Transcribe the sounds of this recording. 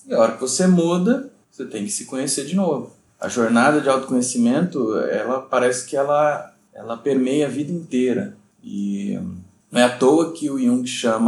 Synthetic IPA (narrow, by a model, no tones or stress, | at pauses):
ɪɔɾɐkɪvosemud̪ɐ | oset̪ẽj̃kɪ̥sɪ̥kõɲeseɾd͡ʒɪnovʊ | ɐ̰ʒoɾnad̪ɐd͡ʒɪawt̪ʊ̥kõɲesimẽnt̪ʊɛ̰lɐpaɾɛsɪ̥kɪɛlɐ | ɛ̰lɐpeɾmejɐvid̪ɐĩnt̪eɾɐ̰ | ɪ̰ | nɐ̃w̃ɛɐt̪owɐkɪʊiũkɪʃɐ̃mɐ